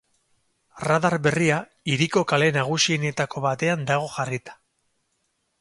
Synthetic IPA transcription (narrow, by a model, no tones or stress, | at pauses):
raðaɾbe̞ria | iɾiko̞kale̞naɣ̞usienet̪ako̞βat̪e̞and̪aɣ̞o̞ʝarit̪ḁ